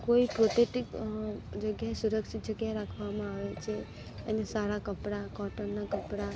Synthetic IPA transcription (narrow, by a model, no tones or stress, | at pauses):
koipɾoʈ̪eʈikd͡ʒəɡjaesuɾəkʃɪt̪̚d͡ʒəɡjaeɾakʰʋamãaʋet͡ʃʰe | ḛnesaɾakəpɽakɔʈənnakəpɾa